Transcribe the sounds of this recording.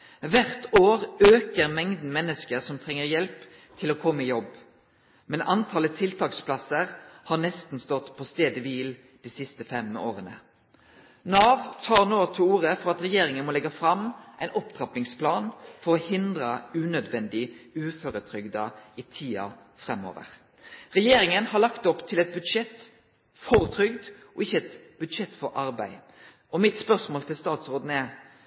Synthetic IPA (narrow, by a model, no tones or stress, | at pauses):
ʋæʁt̪ʰoːʁøːkəʁmɛŋd̪n̩mɛnːəskəʁsɔmt̪ʰʁɛŋːəʁjɛlp | t̪ʰɪloːkʰɔmːəɪjɔb | mɛnʔɑnt̪ʰɑːlət̪ʰɪlt̪ʰɑːkspʰlɑsəʁhɑːʁnɛst̪n̩st̪ɔt̪pʰɔːst̪eːd̪əʋiːl | d̪̥iːsɪst̪əfɛmo̰ːʁənə̰ | nɑːʋt̪ʰɑːʁnoːt̪ʰɪuːʁəfɔɾɑt̪ʁɛjeːɾɪŋənmɔlɛɡɑfɾɑmʔæɪnʔɔpt̪ɾɑpnɪŋspʰlɑːnfɔɾɔhɪnd̪ɾəʉːnœd̪ʋɛnd̪ɪʉːføːɾət̪ʰɾʏɡd̪ɑiːt̪ʰiːɑ̰ | fʁɛmːo̰ːʋə̰ʁ | ʁɛjeːɾɪŋənhɑʁlɑkt̪ɔpt̪ʰɪlɛt̪̚bʉd̪ʂɛt̪ː | fɔʁt̪ʰɾʏɡd̪ʔɔɪçːəɛt̪bʉd̪ʂɛt̪ːfɔɾʔɑɾbæɪ | ɔmɪt̪spœʁsmoːlt̪ʰɪlst̪ɑːt̪sʁoːd̪n̩ɛ